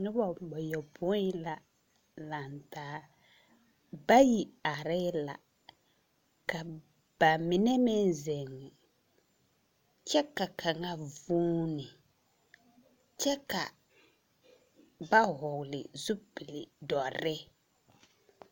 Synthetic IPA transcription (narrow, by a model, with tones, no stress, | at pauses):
nʊ˦bɔ˨bɔ˨jɔ˨bʊ˦la˨ | la˨ntaː˨˦ | ba˦ji˨a˨ɾɪ˦la̰˨ | ka˨ | b̥a˨mɪ˨nɛ˦mɪ˦n˨zɛ˨ŋɛ˨ | t͡ʃɛ˦ka˨kʰa˨ŋa˦vuː˦nɪ˨ | t͡ʃɛ˦ka˨ | ba˦ɦɔ˨ɡlɪ̰˨zu˦pɪ˨lɪ˨dɔ˨ɾɪ˦